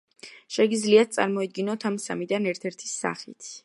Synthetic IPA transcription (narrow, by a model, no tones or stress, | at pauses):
ʃɛɡid̪zliat̪̚t̪sʼa̰ɾmɔid̪̚ɡinɔt̪ʰamsa̰mid̪anɛɾt̪ʰɛɾt̪ʰi̥sːa̰χḭt̪ʰ